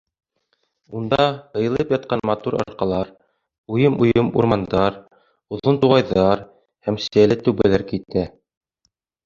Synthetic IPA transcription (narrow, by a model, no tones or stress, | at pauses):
und̪ɑhɤ̆jɤ̆lˠɤpjɑt̪̚qɑnmɑt̪uɾɑ̰ɾqɑlˠɑɾ | ujɤmujɤmṵɾmɑnd̪ɑɾ | ŭðˠɤnt̪uʁɑjðɑɾ | hæmsɘ̆jælɘt̪ʉ̆wβælæɾkit̪æ